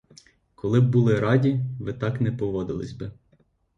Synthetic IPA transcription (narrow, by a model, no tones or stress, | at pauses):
kɔlˠɪbːulˠɪɾɑdʲiʋɪt̪ɑknɛpɔʋɔd̪ɪ̰lˠɪ̰zʲbɪ